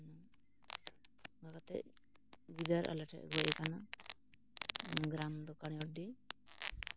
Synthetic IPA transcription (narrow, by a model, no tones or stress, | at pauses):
nɔ | ɡakat̪ɛ̰ | ɡid̪aɾʔa̰laʈʰɛ̰ʔɡɔjɛkana | ɡɾamd̪ɔkaɽ̃iɔɖi